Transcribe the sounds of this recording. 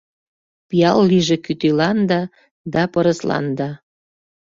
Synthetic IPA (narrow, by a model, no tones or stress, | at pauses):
pijɑlːiʒĕkyt̪ilɑnd̪ɑ | d̪ɑpɤɾəslɑ̰nd̪ɑ